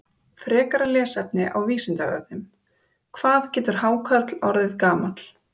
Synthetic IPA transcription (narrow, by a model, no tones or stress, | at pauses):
fɾɛːkaɾalɛːsɛpnɪʔa̰wviːsɪnt̪aœ̰vnʏm | kʰvaːðcɛːt̪ʏɾ̥haːwkʰœt̪lɔɾðɪðkaːmat̪l̥